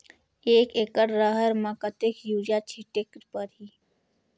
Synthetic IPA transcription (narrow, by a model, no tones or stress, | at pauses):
eːkekəɽɾəɦəɾmãkət̪ekʰjuːd͡ʒat͡ʃʰiʈekɾpəɾɦiː